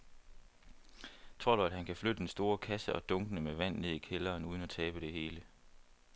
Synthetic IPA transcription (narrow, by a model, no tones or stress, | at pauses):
t͡sʰʁo̝ɐɾ̥uæd̥ɦænkʰæflød̥əd̥ensd̥o̝ːɐkʰæsəʔɒ̽d̥ɔ̽ŋɡ̥ənəmeʋæn̰ne̝ð̞̰ˠikʰelɐːnuːð̞ˠən̩æt͡sʰɛːb̥əd̥e̝ɦe̝ːlə